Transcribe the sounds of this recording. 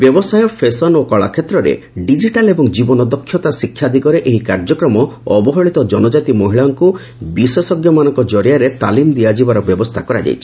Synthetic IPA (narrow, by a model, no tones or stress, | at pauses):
bjɔbɔsajɔpʰesɔnokɔɭa̰kʰet̪ɾɔɾḛ | ɖid͡ʒiʈalebɔŋd͡ʒibɔnɔd̪ɔkʰːjɔt̪asikʰːjad̪ʱikɔɾeʔeɦikaɾd͡ʒɔkɾɔmɔɔbɔɦɔɭit̪ɔd͡ʒɔnɔd͡ʒat̪imɔɦiɭaɔŋku | bisesɔɡjɔmanɔŋkɔd͡ʒɔɾjaɾet̪alimd̪iad͡ʒibaɾɔbjɔbɔst̪ʰakɔɾa̰d͡ʒa̰jt͡ʃʰi̥